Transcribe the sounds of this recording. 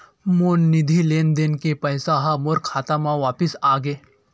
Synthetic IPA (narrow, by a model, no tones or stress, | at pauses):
monːid̪ʱilend̪enkepəɦsaɦamoɾkʰat̪amãʋapisaɡe